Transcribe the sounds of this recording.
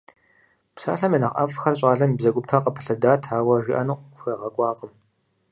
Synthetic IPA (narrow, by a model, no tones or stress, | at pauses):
psa̰ːɬɐmjenɐqʼɐ̰fxɐrɕʼaːɮɐmibzɐkʷʼʊpʰɐqəpʰɨ̥ɬɐdaːtʰaːwɐʒiʔɐnuqxʷeːʁɐkʷʼɑːqʼəm